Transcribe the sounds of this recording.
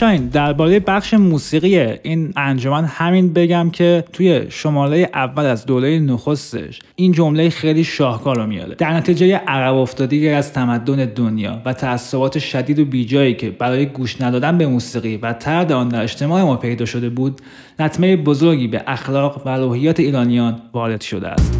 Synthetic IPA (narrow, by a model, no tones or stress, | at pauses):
ʃɒːind̪æɾbɒːɾejebæχʃemuːsiːɣijeiːnænd͡ʒo̞mænhæminbe̞ɟæmcʰe̞t̪ʰuje̞ʃo̞mɒːɾeje̞ʔævːælæzd̪oːɾejenoxo̞st̪ḛʃ | ʔind͡ʒo̞mlejxejliːʃɒːhkʰɒːɾomijɒ̰d̪ḛd̪æɾnæt̪ʰiːd͡ʒejeʔæɣæbo̞ft̪ɒːd̪ejeæzt̪ʰæmæd̪ːone̞d̪onjɒ̰ːvæt̪ʰæːsːobɒːt̪ʰe̞ʃæd̪iːd̪obiːd͡ʒɒːiːcʰe̞bæɾɒːjeɡuːʃnæd̪ɒːd̪ænbe̞muːsiːɣiːvæt̪ʰæɾd̪eɒːnd̪æɾe̞ʃt̪e̞mɒːʔe̞mɒːpʰe̞jd̪ɒːʃo̞d̪e̞buːd̪ | læt̪ʰmejebozoɾɟiːbḛʔæxlɒːɣvæɾuːhijːɒːt̪ʰeiːɾɒːnijɒːnvɒːɾe̞d̪̥ʃo̞d̪ḛæ̰st̪